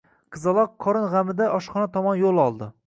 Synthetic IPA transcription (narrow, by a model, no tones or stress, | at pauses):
qʰɨzɑlˠɒqʰːɒɾɪnʁamɪd̪aʔɒʃχɒnat̪ʰɒmɒnjolˠɒlˠd̪ɪ